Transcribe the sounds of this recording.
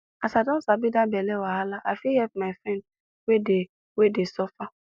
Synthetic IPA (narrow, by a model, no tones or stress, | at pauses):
asadɔ̃sabidãbɛlɛwaalaʔafihɛp̚maɪfɾɛ̃nd | wede | wedesɔfa